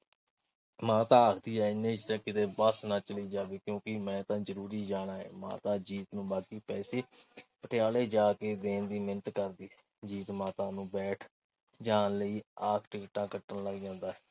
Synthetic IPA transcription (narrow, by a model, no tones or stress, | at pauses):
mãːt̪ãːəkʰd̪iːɦɛːɪnːẽːt͡ʃt̪ãːkɪt̪eːbəsnãːt͡ʃəliːd͡ʒaːʋeːkjõːkɪmɛ̃ːt̪ãːzəɾuːɾiːd͡ʒaːɽaːḛːmã̰ːt̪ãːd͡ʒiːt̪nũːbaːkiːpɛːseːpəʈʰɪjaːleːd͡ʒaːkeːd̪eːnd̪iːmɪnət̪kəɾd̪iːɛː | d͡ʒiːt̪mãːt̪ãːnũːbɛːʈʰ | d͡ʒaːnləiːaːkʰʈɪkɪʈãːkəʈːənləɡd͡ʒãːnd̪aːɦɛː